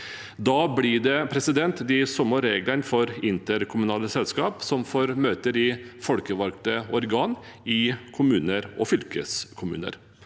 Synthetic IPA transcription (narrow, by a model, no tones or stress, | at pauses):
d̪ɑːblɪɖɛpʰɾɛsɪd̪ɛnt̪d̪ɪsɔməɾeːɡlənfɔɾɪnt̪əɾkʰʊmʉnɑːləsɛlskɑːpsɔmfoːɾmøːt̪əɾɪfɔlkəʋɑlkt̪əɔɾɡɑːn | ɪkʰʊmʉːnəɾɔ̰fʏlkəskʰʊmʉ̰ːnə̰ɾ